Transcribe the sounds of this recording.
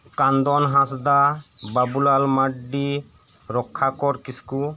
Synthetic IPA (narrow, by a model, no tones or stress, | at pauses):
kand̪ɔnɦãsd̪ababulalmaɖːi | ɾɔkʰːakɔɾkisku